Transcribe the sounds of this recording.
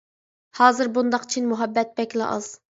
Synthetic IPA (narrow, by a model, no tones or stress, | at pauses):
hɑːzɨɾbund̪ɑqt͡ʃʰinmuɦɛbːɛt̪̚bɛkʲlɪ̰ʔɑ̰z̥